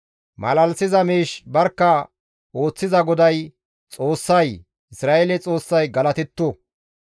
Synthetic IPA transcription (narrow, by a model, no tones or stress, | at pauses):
mɐ̰lɐlsɪzɐmiːʃbɐɾkːɐ | oːt͡sːɪzɐɡɔd̪ɐj | t͡sʼo̞ːsːɐj | ɪsɾaːʔelɛt͡sʼo̞ːsːɐjɡɐlɐt̪ɛt̪ːɔ